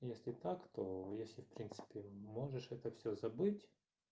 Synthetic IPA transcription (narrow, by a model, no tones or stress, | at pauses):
jesʲlʲɪt̪akt̪ojesʲlʲɪfpɾʲint̪sɨ̥pʲɪmoʐɨʂɛt̪əfsʲɵzɐbɨtʲ